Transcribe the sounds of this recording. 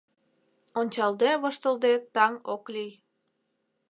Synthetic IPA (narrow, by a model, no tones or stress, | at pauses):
onʲt͡ɕɑld̪eβoʃt̪əld̪et̪ɑŋoklij